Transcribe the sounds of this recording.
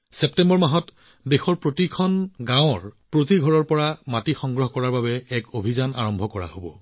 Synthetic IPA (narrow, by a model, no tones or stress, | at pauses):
sep̚tɛmbɔɹmaɦɔt | dexɔɹpɹotikʰɔnɡãʊ̃ɹpɹot̬iɡʱɔɹɔɹpɔɹamatixɔŋɡɹɔɦɔkɔɹaɹbabɛːkobʱizana̰ɹɔmbʱɔkɔɹa̰ɦobɔ